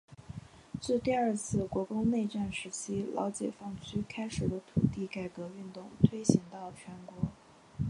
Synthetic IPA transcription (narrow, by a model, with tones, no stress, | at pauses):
t͡ɕ̩˥˧t̪i˥˧ɐ˞˥˧t͡sʰɹ̩˥˩kwɔ˧˥kʊ˥ŋne˥˧ɪʈ͡ʂa˥˩nʂɻ̩˧˥t͡ɕʰi˥lʔɑ̰˧˥ʊt͡ɕjɛ̰˨˩fɑ˥˩ŋt͡ɕʰy˥kʰa˥ɪʂɻ̩˨˩d̪ə˦t̪ʰṵ˨˩t̪i˥˩ka˥˩ɪkɤ˧˥y˥˧nt̪ʊ˥˩ŋt̪ʰwe˥ɪɕi˧˥ŋt̪ɑ˥˩ʊt͡ɕʰɥɛ˧˥nkwɔ˧˥